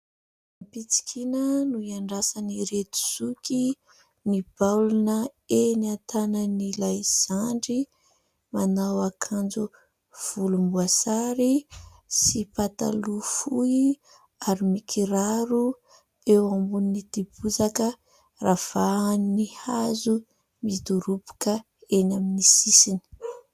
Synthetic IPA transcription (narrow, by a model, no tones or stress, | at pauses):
apit͡si̥kʲʰinənuiaɳɖ͡ʐasaniɾet̪u̥z̥ukʲi | nib̥awlunəeniat̪anənilajz̥aɳɖ͡ʐi | manawakʰand͡zu | v̥ulumbuasaɾi | sipat̪a̰lufuji | aɾimikʰiɾaɾu | ewambuninid̪ibuzakə | rav̥aannihazu | mid̪uɾupu̥kə | enaminisisini̥